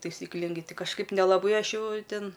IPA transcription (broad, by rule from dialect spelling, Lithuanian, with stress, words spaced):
tɐɪsʲiːkˈlʲɪŋɡɐɪ ˈtɐɪ kɐʃˈkɐɪp nʲɛlˠɐˈbɐɪ ˈɐʃ ˈjɛʊ ˈtʲɪn